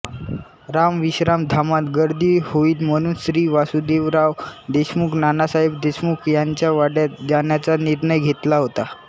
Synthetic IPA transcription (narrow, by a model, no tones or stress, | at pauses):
ɾamʋiɕɾamd̪ʱamat̪ɡəɾd̪iːhoiːlm̤əɽ̃uːnsɾiːʋasud̪eʋɾaʋd̪eɕmuːknanasaɦibd̪eɕmukʰjaɲt͡ɕjaʋaɽjad͡ʑanjat͡saniɾɳəjɡʱet̪laɦot̪a